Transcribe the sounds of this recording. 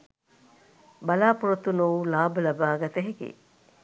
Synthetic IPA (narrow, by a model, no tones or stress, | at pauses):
bɐlaːpuɾɐt̪unoʋulaːbəlɐbaːɡɐt̪ɐɦekḛː